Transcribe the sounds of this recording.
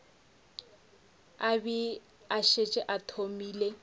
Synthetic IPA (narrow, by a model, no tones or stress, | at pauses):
abi | aʃet͡ʃʼɪʔatʰomiːle